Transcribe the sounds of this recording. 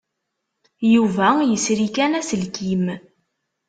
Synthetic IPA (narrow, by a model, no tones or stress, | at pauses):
juvæjəsɾikænæsəlkim